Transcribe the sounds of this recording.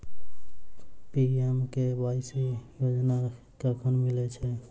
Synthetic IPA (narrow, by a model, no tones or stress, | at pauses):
piemkebajsijod͡ʒna | kəɾkʰənmilɛt͡ʃʰɛ